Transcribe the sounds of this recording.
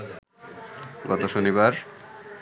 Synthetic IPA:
ɡɔt̪oʃonibaɾ

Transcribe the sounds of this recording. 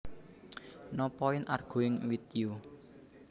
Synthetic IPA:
nɔpɔɪnʔa̰rɡ̥ṳɪŋwit̪ju

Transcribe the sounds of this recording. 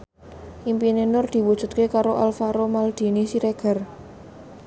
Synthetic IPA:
ʔimpinenʊrd̪̥i̤wud̥ʒ̥ṳt̪̚kekaɾoʔalfaɾomald̪̥i̤nisiɾeɡ̥ə̤r

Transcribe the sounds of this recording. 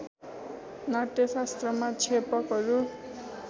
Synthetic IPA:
naʈjʌsast̪rʌmat͡sʰepʌkɦʌɾu

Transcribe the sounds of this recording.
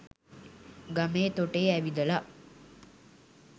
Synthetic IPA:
ɡameːt̪oʈeːæʋid̪əla

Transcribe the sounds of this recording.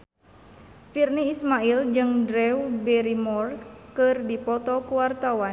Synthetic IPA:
firniːsmaild͡ʒɨŋdɾɛubɛɾimɔrkɨrdipɔt̪ɔpuwart̪awan

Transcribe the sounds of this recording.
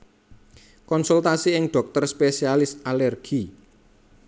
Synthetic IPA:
kɔnsult̪asiɪŋɖ̥ɔ̤k̚t̪ərspesialɪsʔalɛrɡ̥i

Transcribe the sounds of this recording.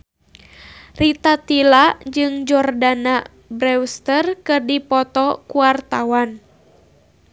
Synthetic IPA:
rit̪at̪ilad͡ʒɨŋd͡ʒɔrdana | bɾɛwst̪ərkɨrdipɔt̪ɔkuwart̪awan

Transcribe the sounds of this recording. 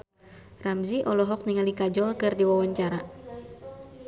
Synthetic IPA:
ramziʔɔlɔɦɔk̚niŋalikad͡ʒɔlkɨrdiwawaɲt͡ʃaɾa

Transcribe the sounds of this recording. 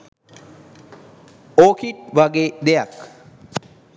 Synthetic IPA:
oːkʰiʈʋaɡed̪ejak

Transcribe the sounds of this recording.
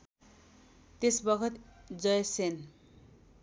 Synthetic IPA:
t̪esbʌkʰʌt̪d͡zʌjsen

